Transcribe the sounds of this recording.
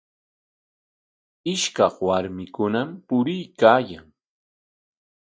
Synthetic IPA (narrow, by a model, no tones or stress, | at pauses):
ɪʃkɑχwaɾmɪkʊnampʊɾɪjkaːjaŋ